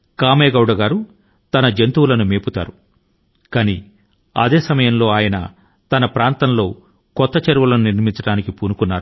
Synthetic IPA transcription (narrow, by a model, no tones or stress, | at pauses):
kaːmeːɡɐwɽɐɡaːɾu | t̪ɐnɐd͡ʒent̪uwulɐnumeːput̪a̰ːɾu | kaːni | ɐ̰d̪e̞ːsɐmɐjɐmlo̞ːaːjɐnɐ̰ | t̪ɐnɐpɾaːnt̪ɐnlo̞ː | kɔt̪ːɐt͡ʃɐɾʋɐlɐnuniɾmint͡ʃɐɽaːnikipuːnukunːaːɾu